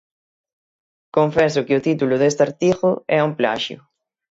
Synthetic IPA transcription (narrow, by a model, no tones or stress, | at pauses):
koɱfɛsʊkɪʊt̪it̪ulʊðest̪aɾt̪iɣʊɛumpla̰ʃjʊ̰